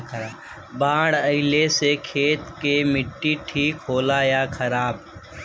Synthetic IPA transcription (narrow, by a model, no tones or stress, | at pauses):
baːɽəɪlesekʰeːt̪kemɪʈːiʈʰiːkɦoːlajakʰɐɾaːb